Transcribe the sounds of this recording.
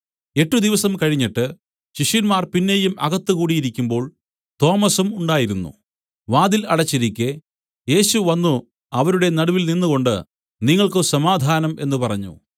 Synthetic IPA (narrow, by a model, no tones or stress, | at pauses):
e̞ʈːud̪iʋɐsɐmkɐɻiɲːiʈːɨ | ɕiʂjɐnmaːrpinːe̞jumɐɣɐt̪ːɨkuːɽijiɾikʲːumbo̞ːɭ | t̪o̞ːmɐsumuɳɖaːjiɾunːṵ | ʋaːd̪ilɐɽɐt͡ɕːiɾikʲːe | je̞ːɕuʋɐnːu | ɐʋɐɾuɽe̞nɐɽuʋilninːuɣo̞ɳɖɨ̰ | niŋːɐɭkɨsɐmaːd̪ʱaːnɐme̞̰nːupɐrɐɲːṵ